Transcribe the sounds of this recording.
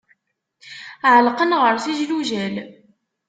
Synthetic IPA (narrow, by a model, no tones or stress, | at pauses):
ʕəlqənʁəɾθiʒluʒæl